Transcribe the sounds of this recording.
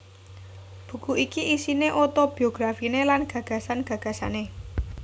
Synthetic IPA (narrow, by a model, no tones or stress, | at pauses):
b̥ṳkuʔikiʔisineʔot̪ob̥i̤oɡ̥ɾafinelanɡ̥ä̤ɡ̥ä̤sanɡ̥a̤ɡ̥ä̤sa̰ne